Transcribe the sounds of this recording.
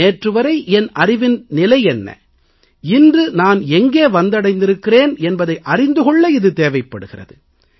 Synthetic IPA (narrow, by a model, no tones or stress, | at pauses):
eːʈrɯʋɐɾɐɪʔɛnɐrɪʋɪnnɪlɐɪɛnːɐ̰ | ɪndrɯnaːnɛŋɡeːʋɐnd̪ɐɽɐɪnd̪ɪɾɯkːɪreːnɛnbɐðɐɪʔɐrɪnd̪ɯɣɔɭːɐɪðɯt̪eːʋɐɪpːɐɽɯɣɪrɐ̰ðɯ